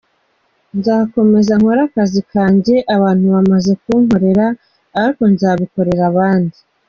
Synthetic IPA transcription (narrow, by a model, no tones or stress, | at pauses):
nzahako̞me̞zaŋ̥hoɾakazikʰaːɲɟe̞ʔaβaːn̥huβamaze̞kuːŋɦo̞ɾe̞ɾaː | ɾiko̞nzaːβiko̞ɾe̞ɾaβaːndi